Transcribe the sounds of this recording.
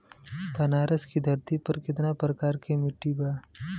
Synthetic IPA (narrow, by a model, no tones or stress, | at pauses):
pɐnaːɾəskid̪ʱɐɾt̪ipɐɾkɪt̪napɾəkaːɾkemɪʈːibaː